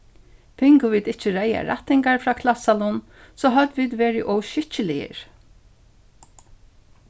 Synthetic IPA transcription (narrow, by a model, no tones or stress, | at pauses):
pʰɪŋkʊviːd̪ɪt͡ʃɪɹɛːja̰ɾa̰t̪ɪŋkaɹfɾaːkʰlasalʊn | sɔːɦœt̪viːd̪ʋeːɹɪʔɔwʃɪht͡ʃɪlɪjɪ̰ɹ